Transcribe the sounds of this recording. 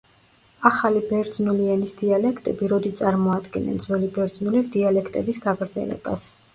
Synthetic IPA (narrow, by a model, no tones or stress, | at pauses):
aχalibɛɾd̪znulianisd̪ialɛkʰt̪ʼɛbiɾɔd̪it̪sʼaɾmɔad̪ɡɛnɛ̰nd̪zwɛlibɛɾd̪znulisd̪ialɛkʰt̪ʼɛbisɡaɡɾd̪zɛ̰lɛ̰b̥as